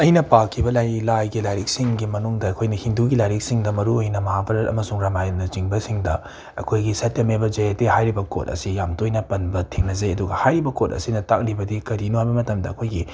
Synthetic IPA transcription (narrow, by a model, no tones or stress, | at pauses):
ɐjnɐpakʰːibɐlajlajɡilajɾik̚siŋɡimɐnuŋdɐɐkʰojnɐhinduɡilajɾik̚siŋdɐmɐɾuojnɐmɐɦapʰɐɾɐɾɐ̰mɐsuŋɾamajnɐt͡ʃiŋbɐsiŋdɐ | ɐ̰kʰojɡisɐtːemebɐd͡ʒɐjetehajɾibɐko̰t̚ɐ̰sijamtojnɐpɐnbɐtʰiŋnɐzɐjɐduɡɐhajɾibɐkot̚ɐ̰sinɐtak̚ɾibɐdikɐɾinuajbɐmɐtɐmdɐːkʰojɡi